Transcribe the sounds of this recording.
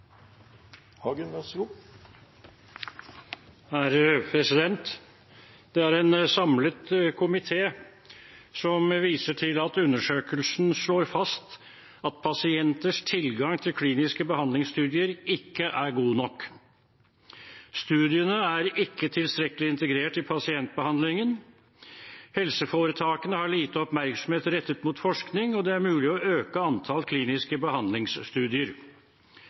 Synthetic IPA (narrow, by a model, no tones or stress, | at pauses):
hɑɡʉnəsu | hæɾpʰɾɛsɪd̪ɛnt̪ | d̪̥ɛæɾɛnsɑmlət̪kʰʊmɪt̪ʰeː | sɔmʋiːsəʈʰɪlɑt̪ʉnːəʂøːkəlsn̩ʂɭoːɾfɑst̪ | ɑt̪̚pʰɑsɪɛnt̪əʂt̪ʰɪlɡɑŋt̪ʰɪlkʰliːnɪskəbəhɑnd̪lɪŋst̪ʉːd̪ɪəɾɪkːəʔæɾɡuːnɔkː | st̪ʉːd̪ɪənəæɾɪkːət̪ʰɪlst̪ɾɛkəlɪɪnt̪əɡɾeːʈɪpʰɑsɪɛnt̪̚bəhɑnd̪lɪŋən | hɛlsəfoːɾət̪ʰɑːkənəhɑɭiːt̪əɔpmæɾksɔmheːt̪ɾɛt̪ːət̪muːt̪fɔʂknɪŋɔd̪ɛæɾmʉːlɪɔøːkəɑnt̪ʰɑlkʰliːnɪskəbəhɑnd̪lɪŋsst̪ʉːd̪ɪəɾ